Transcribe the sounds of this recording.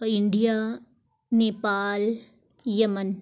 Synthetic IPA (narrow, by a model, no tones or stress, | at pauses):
iɳɖijaː | neːpaːl | jɐmɐn